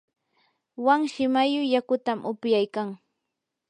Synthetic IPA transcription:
waŋʃɪmajʊjakʊt̪amʔʊpjajkaŋ

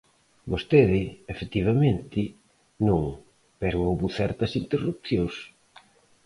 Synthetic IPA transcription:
bost̪eðɪefet̪iβ̞ɐmẽnt̪ɪ | nõŋ | pɛɾowβuθɛɾt̪ɐsint̪erup̚θjõŋs

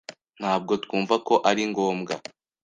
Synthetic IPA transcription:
n̥haːb̚ɡo̞tkuːɱvako̞ʔaɾiŋɡo̞ːmɡa̰

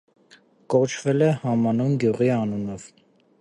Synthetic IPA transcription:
kɔt͡ʃʰvɛlɛhɑmɑnunɡjuʁiɑnunɔv̥

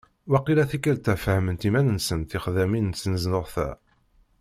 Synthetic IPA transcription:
wæqilæθikːəɾt̪ːæfhəmənt̪imænənsənθiχðæmint͡sːnəznʊʁθæ̰

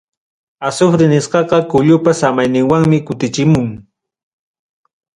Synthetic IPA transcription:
asʊfɾɪnɪsqɑqɑkʊʎʊpasamajnɪŋwaŋmɪkʊt̪ɪt͡ʃɪmʊŋ

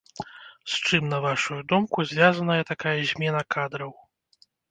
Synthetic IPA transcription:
st͡ʂɨmnɐvaʂujud̪ɔmkuzʲvʲazɐnɐjɛt̪akajɐzʲmʲɛnɐkad̪ɾɐw

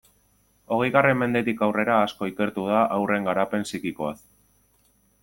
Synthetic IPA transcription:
o̞ɣejɣare̞mːe̞nd̪e̞t̪ikawre̞ɾaːsko̞ike̞ɾt̪uð̞aʔawre̞ŋɡaɾape̞nsikiko̞as

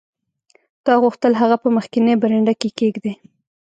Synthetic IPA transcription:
t̪ɑɣuxt̪əlɦaɣapəməxkɪnebaɾeɳɖakekeɡd̪e

